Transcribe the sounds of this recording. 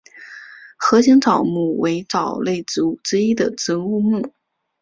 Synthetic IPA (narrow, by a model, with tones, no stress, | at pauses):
xɤ˧˥ɕi˧˥ŋt͡sɑ˨˩ʊmu˥˩we˧˥ɪʈ͡ʂɑ˨˩ʊle˥˩ɪt͡su˧˥ʈ͡ʂɻ̩˥i˥d̪ə˨ʈ͡ʂ̩˧˥u˥˧mu˥˩